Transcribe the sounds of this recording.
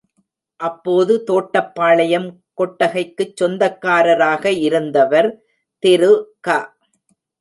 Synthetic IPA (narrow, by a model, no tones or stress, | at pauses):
ʔɐpːoːðɯt̪oːʈːɐpːaːɭɐjɐm | kɔʈːɐɣɐɪkːɯt͡ʃːɔnd̪ɐkːaːɾɐɾaːɣɐɪɾɯnd̪ɐʋɐɾ | t̪ɛɾɯkaː